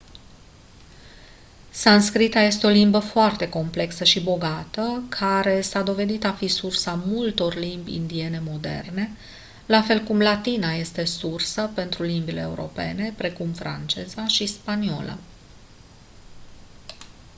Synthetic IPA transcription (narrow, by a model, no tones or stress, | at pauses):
sanskɾit̪aje̞st̪e̞o̞limbəfoart̪e̞ko̞mple̞ksəʃibo̞ɡat̪əkʰaɾe̞sad̪o̞ve̞d̪it̪afisursamult̪o̞rlimbʲḭnd̪ie̞ne̞mo̞d̪e̞̰rne̞ | lafe̞lkumlat̪inaje̞st̪e̞sursəpe̞nt̪ɾulimbile̞ːṵɾo̞̰pe̞̰ne̞pɾe̞kumfɾa̰nt͡ʃe̞zaʃispanio̞̰lʔa̰